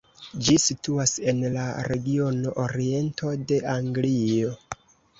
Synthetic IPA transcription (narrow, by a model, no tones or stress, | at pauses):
d͡ʒisituase̞nlaɾe̞ɡio̞no̞ʔoɾie̞nto̞de̞ʔaŋɡlio̞